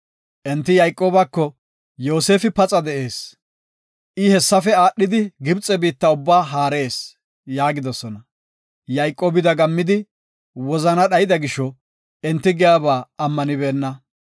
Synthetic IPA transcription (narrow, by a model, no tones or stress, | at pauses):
ʔɛnt̪ːɪjɐjkʼːo̞ːbɐkːɔ | jo̞ːse̞ːfɪpɐt͡sʼɐd̪ɛʔe̞ːs | ʔɪhɛsːɐfɛaːɗːɪd̪ɪɡɪbt͡sʼːɛbiːt̪ːɐʊbːaːɦaːɾe̞ːs | jaːɡɪd̪ɔsɔnɐ | jɐjkʼːoːbɪd̪ɐɡɐmːɪd̪ɪ | wɔzɐnɐɗɐjɪd̪ɐɡɪʃɔ | ɛnt̪ːɪɡɛjaːbaːɐmːɐnɪbe̞ːnːɐ